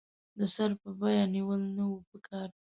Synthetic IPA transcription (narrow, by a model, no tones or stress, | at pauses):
d̪əsaɾpəbɑjɑniwəlnawupəkʰɑɾ